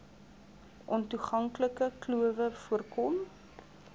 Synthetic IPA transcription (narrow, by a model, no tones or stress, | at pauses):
ʔɔntuχɐŋkləkəkluəvəfuərkɔm